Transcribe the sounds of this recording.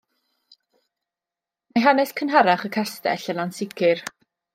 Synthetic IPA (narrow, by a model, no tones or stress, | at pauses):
majɦanɛskʰənɦaɾaχəkʰastɛ̰ɬəlansɪkʰɨr